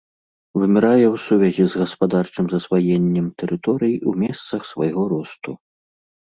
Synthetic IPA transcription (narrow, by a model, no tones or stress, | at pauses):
vɨmʲɛɾajɛwsuvʲɛzʲizɣɐspad̪art͡ʂɨmzɐsvajɛnʲːɛmt̪ɛɾʔɨt̪ɔɾɨjiumʲɛst̪sɐxsvajɣɔɾɔst̪u